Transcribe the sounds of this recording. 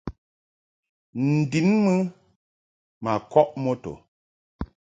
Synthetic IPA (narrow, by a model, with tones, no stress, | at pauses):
n̩˨di˨˦nmɨ˦ | ma˨kɔ˦ʔmɔ˦to̰˨